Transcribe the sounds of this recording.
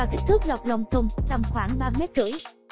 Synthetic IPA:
aː˨˩k̪i˦˥t̪ʰɨ˦˥k̚la˨˩k͡p̚lə˨˩wŋ͡mt̪ʰʊ˨˩ŋ͡mt͡ɕa˨˩mxwaː˧˩ŋɓaː˧mɛ˦˥t̚zɨ̰˧˩˦j

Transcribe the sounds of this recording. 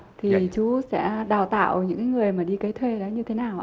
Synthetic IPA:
t̪ʰi˨˩t͡ɕu˨˦sɛ̰˧˥ɗaː˨˩wt̪a̰ː˧˨wɲɨ̰˧˥ŋkaː˨˦jŋɨ˨˩əjmaː˨˩ɗi˧ka˨˦jt̪ʰwe˧laː˨˦ɲɨ˧t̪ʰe˨˦naː˨˩wʔ

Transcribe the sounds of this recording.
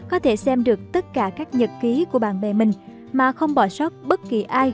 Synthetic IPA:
kɔ˨˦t̪ʰe˧˩sɛ˧mɗɨ˨˩ək̚t̪ə˦˥t̚kaː˧˩kaː˦˥k̚ɲə˨˩t̚ki˨˦ku˧˩əɓaː˧˨nɓɛ˨˩mï˨˩ŋ̟ | maː˨˩xə˧wŋ͡mɓɔ˧˩swk͡p̚ɓə˦˥t̚ki˨˩ʔaː˧j

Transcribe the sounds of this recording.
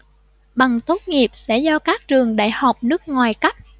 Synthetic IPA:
ɓa˨˩ŋt̪o˦˥t̚ŋi˨˩əp̚sɛ̰˧˥zɔ˧kaː˦˥k̚t͡ɕɨ˨˩əŋɗa̰ː˧˨jha˨˩wk͡p̚nɨ˦˥ək̚ŋwaː˨˩jka˦˥t̚

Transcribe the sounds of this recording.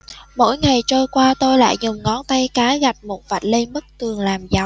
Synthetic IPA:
mo̰˧˥˨jŋa˨˩jt͡ɕəː˧jkwaː˧t̪o˧jla̰ː˧˨jzʊ˨˩ŋ͡mŋɔ˨˦nt̪a˧jkaː˨˦ɣa˨˩jk̟̚mo˨˩t̚və˨˩t̚le˧nmə˦˥k̚t̪ɨ˨˩əŋlaː˨˩mza˨˦wŋ͡m

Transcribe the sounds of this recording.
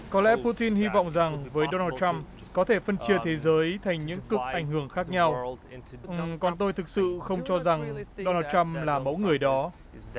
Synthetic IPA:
kɔ˨˦lɛ̰˧˥pu˧t̪i˧nhi˧vɔ̰˧˨wŋ͡mza˨˩ŋvəː˨˦jɗo˧naː˧t̚t͡ɕa˧m | kɔ˨˦t̪ʰe˧˩fə˧nt͡ɕi˧˩ət̪ʰe˨˦zəː˨˦jt̪ʰa˨˩jŋ̟ɲɨ̰˧˥ŋkɨ˨˩k̚ʔa˧˩jŋ̟hɨ˧˩əŋxaː˦˥k̚ɲa˧w | ʔkɔ˨˩nt̪o˧jt̪ʰɨ˨˩k̚sɨ̰˧˨xə˧wŋ͡mt͡ɕɔ˧za˨˩ŋɗo˧naː˧t̚t͡ɕa˧mlaː˨˩mə̰˧˥ŋɨ˨˩əjɗɔ˨˦

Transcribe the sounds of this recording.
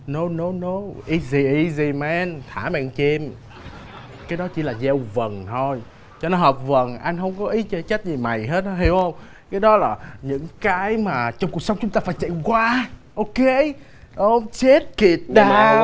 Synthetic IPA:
no˨˦no˨˦no˨˦ʔi˧zi˧˩ʔi˧zi˧˩mɛ˧nt̪ʰaː˧˩mɛ̰˧˨ŋt͡ɕɛ˧m | kaː˨˦jɗɔ˨˦t͡ɕi˧˦laː˨˩zɛ˧wvə˨˩nt̪ʰo˧j | t͡ɕɔ˧nɔ˨˦ɦəː˨˩p̚və˨˩nʔa˧jŋ̟ɦə˧wŋ͡mkɔ˨˦ʔi˨˦t͡ɕɔ˧˦t͡ɕa˦˥t̚zi˨˩ma˨˩jɦe˦˥t̚n˧˦ɦi˧˩whə˧wŋ͡m | kaː˨˦jɗɔ˨˦laː˨˩ɲɨ̰˧˥ŋkaː˨˦jmaː˨˩t͡ɕɔ˧ŋ͡mku˨˩ək̚sə˨˦ŋ͡mt͡ɕʊ˦ŋ͡mt̪aː˧faː˧˦jt͡ɕa̰˧˨ŋ͡mkwaː˧ʔo˧ke˧ | ʔə˧ŋ͡mt͡ɕe˦˥t̚ki˨˩ət̚ɗaː˧

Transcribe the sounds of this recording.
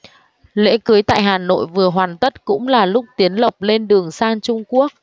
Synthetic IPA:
lḛ˧˥kɨ˨˦jt̪a̰ː˧˨jɦaː˨˩no̰˧˨jvɨ˨˩əɦwaː˨˩nt̪ə˦˥t̚kʊ̰˧˥ŋ͡mlaː˨˩lʊ˦˥k͡p̚t̪i˨˦ənlə˨˩p̚le˧nɗɨ˨˩əŋsaː˧ŋt͡ɕʊ˧ŋ͡mku˦˥ək̚

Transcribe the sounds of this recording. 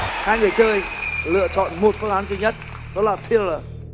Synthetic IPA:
haː˧jŋɨ˨˩əjt͡ɕəː˧jlɨ̰˧˨ət͡ɕɔ̰˧˨nmo˨˩t̚fəː˧˦ŋʔaː˨˦ntwi˧ɲə˦˥t̚ | ɗɔ˨˦laː˨˩fʰi˧lə˨˩

